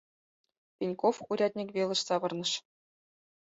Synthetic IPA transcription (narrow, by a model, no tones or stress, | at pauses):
pʲinʲkofuɾʲɑt̪ʲnʲikʲvʲelˠɤ̆ɕsɑʋɤ̆rnɤ̆ʂ